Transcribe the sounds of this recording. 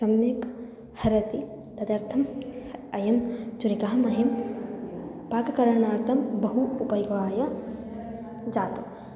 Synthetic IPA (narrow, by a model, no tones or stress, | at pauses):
sɐmjɐk | hɐɾɐt̪i | t̪ɐd̪ɐɾt̪ʰɐmɐjɐmt͡ʃuɾikaɦɐmɐɦɐm | paːkɐkɐɾɐnaːɾt̪ʰɐmbɐɦuːpɐjɡʋaːjɐ | d͡ʒaːt̪u